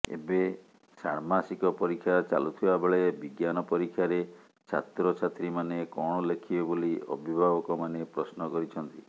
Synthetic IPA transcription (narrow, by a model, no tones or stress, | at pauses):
ḛbe | saɾmasikɔpɔɾikʰːjat͡ʃa̰lut̪ʰibabeɭebiɡjanɔpɔɾikʰːjaɾe | t͡ʃʰa̰t̪ɾɔt͡ʃʰat̪ɾimanekɔɽ̃ɔlekʰibeboliɔ̰bʱibʱabɔkɔmanepɾɔsnɔkɔɾit͡ʃʰɔnt̪i